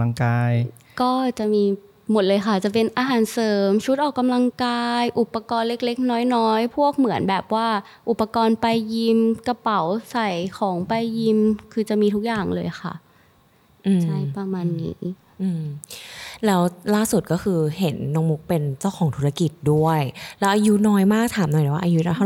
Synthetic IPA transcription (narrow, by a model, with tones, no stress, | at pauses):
ŋkaː˧j | kɔː˥˩t͡ɕa˨˩ʔmiː˧ | mo˨˩t̪̚lɤː˧jxa˥˩t͡ɕa˨˩pe˧nʔaː˧ɦaː˩˦nsɤː˩˦mt͡ɕʰu˦˥t̪̚ʔɔː˨˩kːa˧mla˧ŋkaː˧jʔu˨˩pːa˧kɔː˧nle˦˥k̚le˦˥k̚nɔː˦˥jnɔː˦˥jpʰu˥˩ək̚mɯ˩˦ənbɛː˨˩p̚waː˥˩ | ʔu˨˩pːa˧kɔː˧npa˧jːi˧mka˧pa˩˦wsa˨˩jkʰɔː˩˦ŋpa˧jːi˧mkʰɯː˧t͡ɕa˨˩ʔmiː˧t̪ʰu˦˥k̚jaː˨˩ŋlɤː˧jxʰa̰˥˩ʔ | ʔɯː˧t͡ɕʰa˥˩jpɾa˧maː˧nːḭː˦˥ | ʔɯː˧m | lɛː˦˥wlaː˥˩su˨˩t̪̚kɔː˥˩kʰɯː˧ɦe˩˦nːɔ˧˥ŋmu˦˥k̚pe˧nt͡ɕa˥˩wxʰɔː˩˦ŋt̪ʰu˦ɾa˧ki˨˩t̪̚du˥˩əjlɛː˦˥ʔaː˧ju˦˥nɔː˦˥jmaː˥˩k̚t̪ʰaː˩˦mnɔ˨˩jɛː˨˩wa˥˧ʔaː˧ju˦˥na˧˦˥